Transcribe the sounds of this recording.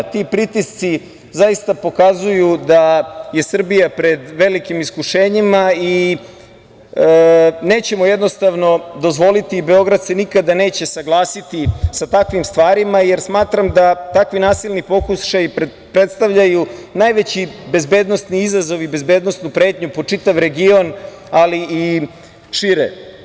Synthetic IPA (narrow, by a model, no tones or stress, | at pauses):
t̪ipɾit̪ist̪si | zaist̪apo̞kazujud̪aje̞sr̩bijapɾe̞d̪ʋe̞likimiskuʃeːɲimai | ne̞ːt͡ɕe̞mojed̪no̞st̪aʋno̞d̪o̞zʋo̞lit̪iːbe̞o̞ɡɾad̪senikad̪ane̞ːt͡ɕe̞saɡlˠaːsit̪isat̪akʋimst̪ʋaːɾimaje̞ɾsmaːt̪ɾamd̪at̪akʋinaːsilˠnipo̞kuʃaji | pɾet̪st̪aʋʎajunajʋet͡ɕibe̞zbeːd̪nost̪niizazo̞ʋibe̞zbe̞ːd̪no̞snupɾe̞ːt̪ɲupo̞t͡ʂit̪aʋɾe̞ɡio̞n | alii | ʃiɾḛ